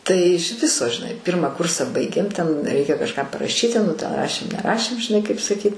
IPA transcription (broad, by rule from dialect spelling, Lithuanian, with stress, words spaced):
tɐɪ ɪʃ ˈʋʲɪsoː ʒʲɪˈnɐɪ ˈpʲɪrmɑː ˈkʊrsɐ ˈbɐɪɡʲeːm tʲɛn ˈrʲɛɪkʲɛ kɐʃˈkɑː pɐrɐˈʃʲiːtʲɪ nʊ tʲɛn ˈrɑːʃʲeːm nʲɛˈrɑːʃʲeːm ʒʲɪˈnɐɪ kɐɪp sɐˈkʲiːtʲ